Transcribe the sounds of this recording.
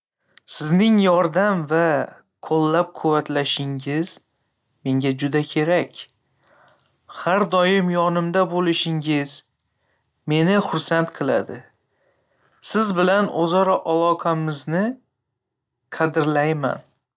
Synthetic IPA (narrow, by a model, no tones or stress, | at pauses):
sɪznɪŋjɒɾd̪amva | kʰolːap̚qʰʊvat̪laʃɪŋɪz̥ | me̞ŋɡʲad͡ʒʊd̪akʲʰe̞ɾakʲ | haɾd̪ɒjɪmjɒnɪmd̪abolɪʃɪŋɪz | me̞nɪχʊɾsant̪qʰɨlˠa̰d̪ɪ | sɪzbɪlanʔozɒɾɒʔalˠɒqʰɑmɪznɪ | qʰɑd̪ɪɾlajma̰n